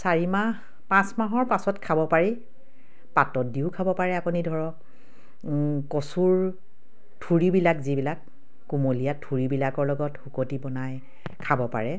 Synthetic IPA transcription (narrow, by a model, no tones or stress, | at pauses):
saɹima | pãsmaɦɔɹpasɔtkʰabɔpaɹi | patɔt̚diʊkʰabɔpaɹɛakunidʱɔɹɔ | kɔsuɹ | tʰuɹibilakzibilakː | umolijatʰːuɹibilakɔɹlɔɡɔthukotibɔnaj | kʰabɔpa̰ɹɛ